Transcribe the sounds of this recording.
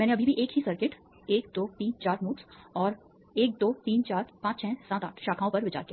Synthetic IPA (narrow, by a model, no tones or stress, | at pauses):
mɛ̃ːneɐbʱibʱiʔeːkɦisɐɾkɪʈ | eːk̚d̪oːt̪iːnt͡ʃaːɾnuːksɔːɾ | eːk̚d̪oːt̪iːnt͡ʃaːɾpãːt͡ʃt͡ʃʰɛ̃ːsãːt̪aːʈʰʃaːkʰãːõpɐɾʋɪt͡ʃa̰ːɾkija